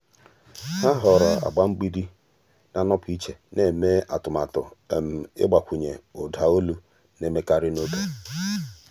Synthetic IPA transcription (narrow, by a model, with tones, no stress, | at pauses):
ha˦ɦɔ˨ɾɔ˨a̰˨ɡ͡ba˦ŋ͡m̩˦ɡ͡bi˦di˦ | na˨nɔ˦pi˦t͡ʃe˨ne˦˨me˦a̰˨tʊ˨ma˨tʊ̰˨m̩˨ɪ̰˦ɡ͡ba˨kʷu˨ɲḛ˨ʊ˨dʱa˨o˦lu˦ | ne˦me˦ka˦ɾɪ˦no˦ke˦